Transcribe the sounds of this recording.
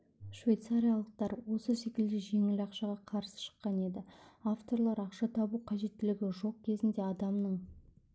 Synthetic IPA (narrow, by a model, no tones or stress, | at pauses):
ʃvʲejt̪saɾʲijalˠəq̚t̪ɑɾwo̞səse̞kʲɪld̪e̞ʒe̞ŋɪlɑqʃɑʁɑqʰɑɾsə̥ʃə̥qːɑne̞d̪ɪaft̪o̞ɾlˠɑɾɑqʃɑt̪ʰɑbuqʰɑʒe̞t̪ːɪlɪɡʲɪʒo̞q̚kʲʰe̞zɪnd̪e̞ɑd̪ɑmnəɴ